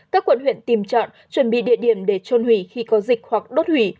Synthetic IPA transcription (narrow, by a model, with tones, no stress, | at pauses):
kaː˦˥kːwə̰˧˨nhwḭ˧˨ənt̪i˨˩mt͡ɕɔ̰˧˨n | t͡ɕwə˧˩nɓḭ˧˨ɗḭ˧˨əɗi˧˩əmɗe˧˩t͡ɕo˧nhwi˧˩xi˧kɔ˨˦zï˨˩k̟̚hwa˨˩k̚ɗo˦˥t̚hwi˧˩